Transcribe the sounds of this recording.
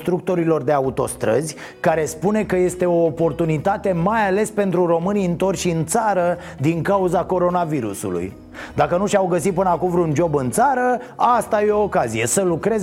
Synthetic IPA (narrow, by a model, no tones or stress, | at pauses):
st̪ɾuk̚t̪o̞ɾilo̞rd̪e̞aut̪o̞̰st̪ɾə̰zʲ | kaɾe̞spune̞kəje̞st̪e̞o̞ːpo̞rt̪unit̪at̪e̞majale̞spe̞nt̪ɾuro̞mɨniɨnt̪o̞rʲʃiɨnt̪saɾə | d̪iŋkauzako̞ɾo̞naviɾṵsṵlṵj | d̪akənuʃawɡəsit̪̚pɨnəakumvɾund͡ʒo̞bɨnt̪saɾəast̪ajeoːkazije̞səlukɾe̞z